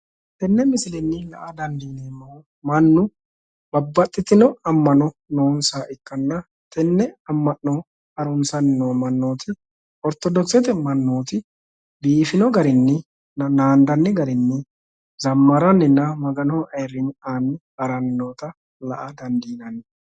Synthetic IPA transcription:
t̪ɛnːɛmɪsɪlɛnːɪlɐ̰ʔɐd̪ɐnd̪iːneːnːo | mɐnːʊ | b̥ɐbːɐt̪ʼːɪt̪ːɪnɔɐmːɐnɔnoːnsaːʔɪkːɐnːɐ | t̪ɛnːɛɐmːɐʔnɔ | ɐɾʊnsɐnɪnoːmɐnːoːt̪ʰɪ | ɔɾt̪ːɔd̪ɔt͡sːɛt̪ɛmɐnːoːt̪ɪ | biːfɪnɔɡɐɾɪnːɪ | nɐnaːnd̪ɐnːɪɡɐɾɪnːɪ | zɐmːɐɾɐnːɪnːɐmɐɡɐnoːʔɐjɾɪnaːnɪ | ɐɾɐnːoːt̪ɐ | lɐ̰ʔɐd̪ɐnd̪iːnɐn

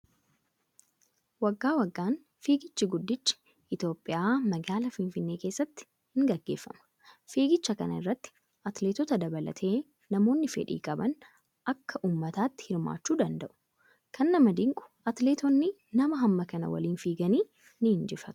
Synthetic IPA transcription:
wɐɡːaːwɐɡːaːn | fiːɡɪt͡ʃːɪɡʊd̪ːɪt͡ʃːɪ̥ | ʔɪt̪jo̞ːpʼːɪjʔaːmɐɡaːlɐfɪnfɪnːe̞ːke̞ːsːɐt̪ːɪ̥ | hɪŋɡɐɡːe̞ːfːɐ̰mɐ̥ | fiːɡɪt͡ʃːɐkɐnɐɪrːɐt̪ːɪ̥ | ʔɐt̪leːt̪ɔt̪ɐd̪ɐbɐlɐ̰t̪ʰe̞ː | nɐmo̞ːnːɪfɛ̰ᶑḭːkʼɐbɐn | ʔɐkːɐʔuːmːɐt̪aːt̪ːɪ̥hɪɾma̰ːt͡ʃːuːd̪ɐnd̪ɐʔʊ̥ | kʰɐnːɐmɐd̪ɪŋkʼʊ̥ʔɐt̪leːt̪ɔnːɪ | nɐmɐɦɐmːɐkɐnɐ̰wɐ̰liːnfiːɡɐniː | nɪhɪnd͡ʒɪfɐt̪ʊ̥

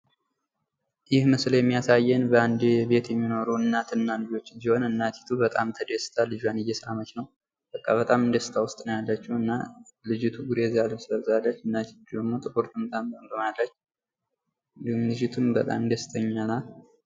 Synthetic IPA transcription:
jɪhmɨsljɛmːijasajːɛnbəand̪ebe̞t̪jɛmːino̞ɾuɨnːat̪ʰɨnːalɨd͡ʒo̞t͡ʃːɨnziho̞nɨnːat̪ʰi̥t̪ʰubət̪ʼa̰mt̪ʰəd̪esɨ̥t̪ʰalɨd͡ʒjanɨjɛsəɾamət͡ʃnəw | b̥əkʼːaβət̪ʼamɨnd̪əsɨ̥t̪ʰawʊst̪ʼnəwjalːət͡ʃːuɨnːalɨd͡ʒɪt̪ʰuɡuɾezaləsɨləβzalːət͡ʃːɨnːat̪ʰi̥t̪ːud̪əmːot̪ʼɨkʼoɾt̪ʰumt̪ʰʼamt̪əmb̪əmalːət͡ʃː | ɨnd̪ihumlɨd͡ʒɪt̪ʰumbət̪ʼa̰mɨnd̪əsɨ̥t̪ʰəɲːana

